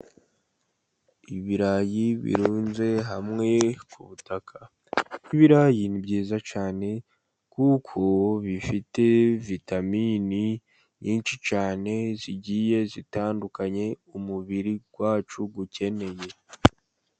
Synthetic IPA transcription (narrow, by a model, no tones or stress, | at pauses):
iβiɾajiβḭɾuːnze̞ɦamŋe̞kʰuβutakʰa | niβiɾajinibɟiːzat͡ʃaːne̞ | kukʰo̞βifite̞vitamini | ɲiːnʃit͡ʃaːne̞ziɟije̞zitaːndukaɲe̞umuβiɾiɡ̥waːt͡ʃuɡuce̞ne̞je̞